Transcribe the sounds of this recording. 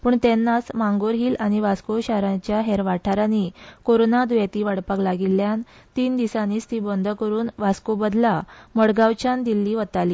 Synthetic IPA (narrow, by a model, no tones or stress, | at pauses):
puːɳt̪ɛnːasmãŋɡoɾɦiːlaɽ̃iʋaskoɕaɾãt͡ɕjaɦɛɾʋaʈʰaɾanikoɾonad̪ujat̪iːʋaɽpaklaɡilːjan | t̪iːnd̪isaniːst̪iːbɔnd̪ʱəkəɾuːnʋaskobəd̪laməɽɡaʋt͡ɕand̪ilːiːʋət̪aliː